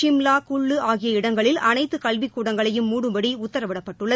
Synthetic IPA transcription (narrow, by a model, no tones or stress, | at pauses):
t͡ʃɪmlaːkʊɭːɯaːɣɪjɐɪɽɐŋɡɐɭɪlɐnɐɪt̪ːɯkɐɭʋikːuːɽɐŋɡɐɭɐjɯmːuːɽɯmbɐɽiʊt̪ːɐɾɐʋɪɽɐpːɐʈːɯɭːɐ